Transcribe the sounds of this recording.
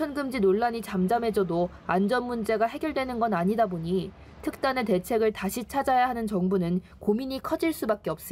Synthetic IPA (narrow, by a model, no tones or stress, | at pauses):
t͡ɕʰʌnɡɯmd͡ʑinoɭːaɲit͡ɕamd͡ʑame̞d͡ʑʌdo | and͡ʑʌnmund͡ʑe̞ɡaɦe̞ɡjʌɭdwe̞nɯnɡʌnaɲidaboɲi | tʰɯk̚t͈anete̞t͡ɕʰe̞ɡɯɭtaɕʰit͡ɕʰad͡ʑajaɦanɯnt͡ɕʌŋbunɯn | komiɲikʰʌd͡ʑiɭs͈ubak͈̚eʌp̚s͈ɯ